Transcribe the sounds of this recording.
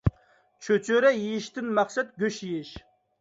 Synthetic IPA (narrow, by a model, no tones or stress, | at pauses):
t͡ʃʰøt͡ʃʰøɾɛjijɪʃt̪ɪnmæχsɛt̪̚ɡʲøʃjijɪʃ